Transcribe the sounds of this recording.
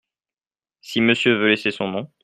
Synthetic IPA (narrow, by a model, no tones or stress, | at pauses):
siməsjøvølesesɔ̃nɔ̃